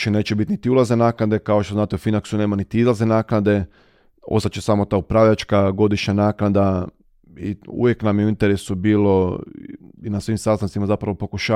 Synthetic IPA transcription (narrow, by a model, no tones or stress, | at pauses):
ʃeneːt͡ɕt͡ʃebit̪nit̪iulˠaze̞naːknad̪e̞kaoʃt̪oznaːt̪eufinaksune̞ːmanit̪iizlˠaznenaːknad̪e̞ | o̰sat̪t͡ɕe̞samo̞t̪aːupɾaːʋʎat͡ʃkaɡo̞d̪iʃɲanaːknad̪a | ḭṵʋje̞knamjeuint̪eɾesubiːlo̞ | inasʋimsast̪ant̪simazapɾaʋo̞po̞kuʃa